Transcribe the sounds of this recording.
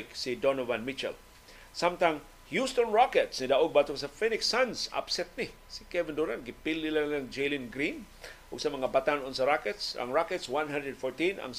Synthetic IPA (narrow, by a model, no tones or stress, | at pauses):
ksid̪onovanmit͡ʃɛ̰l | samt̪aŋ | hjust̪ɔnɹakɛt̪snɪd̪aʔoɡ̚bat̪ʊɡsafɛnɪksansa̰psɛt̪̚nɪ | sɪ̥kɛvɪnd̪uɾanɡɪpilɪlalaŋd͡ʒejlɪnɡɾin | ʔʊɡsamɐŋabat̪anonsaɾakɛt̪sa̰ŋɹakɛt̪swanɦãnd̪ɾɛdfɔɹt̪ĩna̰ŋ